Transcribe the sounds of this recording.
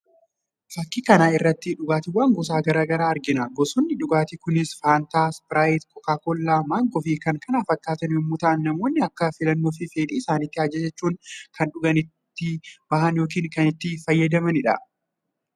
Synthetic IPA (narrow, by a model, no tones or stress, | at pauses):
fɐkːɪkɐnaːɪrːɐt̪ːɪᶑʊɡaːt̪ɪwaːŋɡɔs̬aːɡɐɾaːɡɐɾaːɐɾɡɪnaɡɔsʊnːɪᶑʊɡaːt̪ɪkʊnɪsfaːnt̪aːsbɪɾaːjɪt̪kʰɔkaːkɔlːaːmaːŋɡɔfiːkɐŋkɐnaːfɐkːaːt̪ɐnɪmːʊt̪ɐʔɐnːɐmo̞ːnːɪɐkːɐfɪlɐnːoːf̬ɪfeːᶑiːsaːnɪt̪ːɪaːd͡ʒɛsɛt͡ʃːuːŋkʰɐnᶑʊɡɐnɪt̪ːɪb̥ɐɦɐnjo̞ːk̬iːŋkɐnɪt̪ːɪfɐjːɐd̪ɐmɐnɪᶑɐ̰